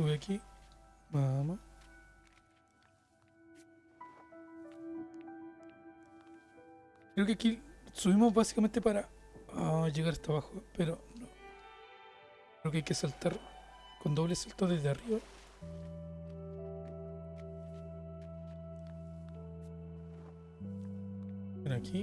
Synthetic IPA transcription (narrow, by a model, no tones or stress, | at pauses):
suβeaki | mamo | kɾe̞okeakisuβimoβasi̥kame̞nt̪epaɾa | aʝeɣaɾast̪aβaxopeɾono | ɾeokeajkesalt̪aɾ | ko̞nd̪o̞βlesalt̪oðezðeariβa | enakʰi